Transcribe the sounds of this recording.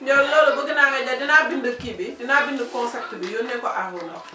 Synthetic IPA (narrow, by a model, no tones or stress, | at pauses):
dolːoɾobuɡinaŋeɟadinabindikibidinabindukɔnsak̚tibijonɛkoʔaɦuno